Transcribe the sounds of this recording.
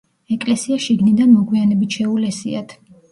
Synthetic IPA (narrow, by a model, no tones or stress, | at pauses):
ɛkʼlɛsiaʃiɡnid̪anmɔɡwianɛbit̪ʃɛulɛsḭa̰t̪ʰ